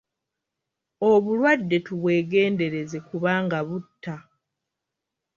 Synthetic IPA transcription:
o̞βulwadːe̞tuβwe̞ːɡe̞ːnde̞ɾe̞ze̞kuβaːŋɡaβutːa

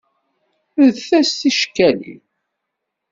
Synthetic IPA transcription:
ðθæstiʃkːælḭ

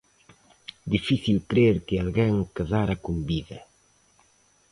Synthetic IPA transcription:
d̪ifiθilkɾeɾkɪalɡeŋkazaɾɐkumbiðɐ

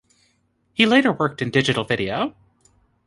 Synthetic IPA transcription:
hileɪɾə˞wɜ˞k̚tɨ̃ndɪd͡ʒɨɾl̩ˠvɪɾioʊ

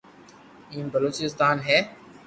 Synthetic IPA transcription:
ĩːmbəloːt͡ʃɪst̪aːnɦɛː

